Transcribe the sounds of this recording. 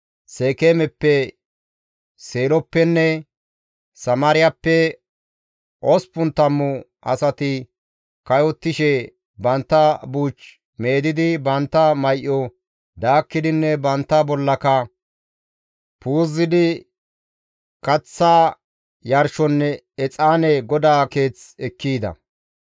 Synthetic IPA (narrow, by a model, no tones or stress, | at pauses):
seːkeːmɛpːɛ | se̞ːlɔpːɛnːɛ | sɐmaːɾɪjɐpːɛ | ʔɔspʊnt̪ːɐmːʊʔɐ̰sɐt̪ɪ | kɐjɔt̪ːɪʃɛ | bɐnt̪ːɐbuːt͡ʃ | me̞ːd̪ɪd̪ɪbɐnt̪ːɐmɐjʔːɔ | d̪aːkːɪd̪ɪnːɛbɐnt̪ːɐbɔlːɐkɐ | puːzːɪd̪ɪ | kɐt͡sːaː | jɐɾʃɔnːɛ | ɛt͡sʼaːnɛɡɔd̪aːke̞ːt͡sɛkːiːd̪ɐ̰